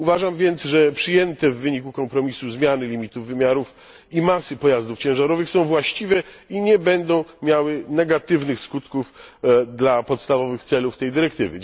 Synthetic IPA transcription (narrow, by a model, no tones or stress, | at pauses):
uvaʐamvʲjɛnt̪sʐɛpʂɘjɛnt̪ɛvːɘɲikukɔmpɾɔmʲisuzmʲjanɘlʲimʲit̪uvːɘmʲjaɾuf | imasɘpɔjazd̪uft͡ɕɛ̃w̃ʐaɾɔvɘxsɔ̃w̃vwaɕt͡ɕivɛiɲɛbɛnd̪ɔ̃w̃mʲjawɘnɛɡat̪ɘvnɘxskut̪kufd̪lapɔt̪st̪avɔvɘxt̪sɛluft̪ɛjd̪ɘɾɛkt̪ɘvɘ